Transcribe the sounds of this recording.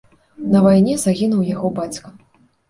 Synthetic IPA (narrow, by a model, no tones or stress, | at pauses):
nɐvajnʲɛzaɣʲinuwjaɣɔbat͡sʲkɐ